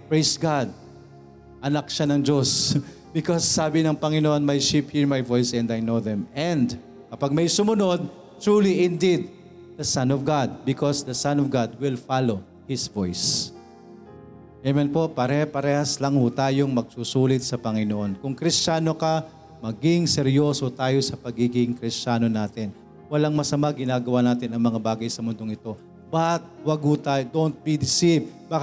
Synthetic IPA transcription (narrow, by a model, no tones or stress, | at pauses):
pɹejsɡad̪̚ | ʔɐnɐk̚ʃanɐŋd͡ʒos | b̥ɪkɔsːaːbɪnɐŋpɐŋɪnoʔonmaɐjʃiphiɹmajvojsɛ̃nd̪ajnowðɛmɛ̃nd̪ | kɐpaɡ̚mɐjsʊmʊno̞d̪̚ | t̪ɹuːliʔɪnd̪id̪̚ | ðɐsɐ̃nɔvɡad̪̚bɪkɔsd̪ɐsanɔvɡad̪̚wɪlfalo | hɪsvojs | ɛmɛnpo̞ʔpɐɾɛhpɐɾɛːhɐslɐŋhʊt̪aːjoŋmɐɡ̚susuːlɪt̪̚sɐpɐŋɪnoʔo̞nkʊŋkɾɪst͡ʃaːno̞kɐ | mɐɡɪŋsɛɾjo̞ːsot̪aːjo̞sɐpɐɡiːɡɪŋkɾɪst͡ʃaːno̞naːt̪ɪn | wɐlaŋmɐsɐmaɡɪnaːɡɐwanaːt̪ɪnɐŋmɐŋabaːɡɐjsɐmʊnd̪o̞ŋʔɪt̪o̞ | b̥ahat̪̚wɐɡhʊt̪aːjod̪ont̪̚bid̪ɪsivbaːk